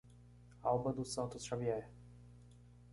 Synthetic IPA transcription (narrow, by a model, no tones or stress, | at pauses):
awbɐd̪ʊsɐ̃nt̪ʊsʃaviɛɾ